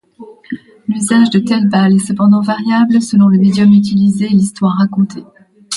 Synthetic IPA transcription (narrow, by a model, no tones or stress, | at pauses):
lyzaʒd̪ət̪ɛlbalɛsəpɑ̃d̪ɑ̃vaʁjabləsəlɔ̃ləmed̪jɔmyt̪̬ilizelist̪waʁːakɔ̃t̪ʰe